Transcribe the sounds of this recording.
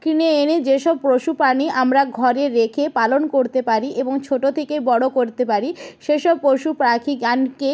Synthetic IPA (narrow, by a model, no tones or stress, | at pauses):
kɾineened͡ʑeʃɔb̚pɾoʃupaniʔamɾaɡʱɔɾeɾekʰepalonkoɾt̪epaɾiʔeboŋt͡ɕʰoʈot̪ʰekebɔɽokoɾt̪epaɾiʃeʃɔb̚pːɾoʃupɾakʰiɡanke